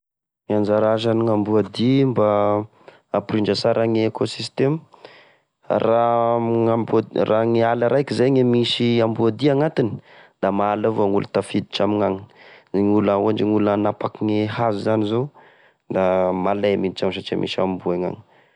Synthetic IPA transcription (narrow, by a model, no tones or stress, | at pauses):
ŋand͡ʒaɾaʒaniŋambuad̪imbaː | pɾiɳd͡ʒasaɾaŋeekosist̪em | ra | abraŋialaɾʔajkizajŋemisiambuad̪iaŋat̪ini̥d̪̥amaːlavoŋulut̪afid̪i̥ʈ͡ʂamiŋaŋi̥ŋulauaɳd͡ʒiŋulanapakiŋehazuzanizo | d̪amalajaminit͡ʃamsat͡ʃia̰mʔḭsa̰mbuaŋa̰ŋi̥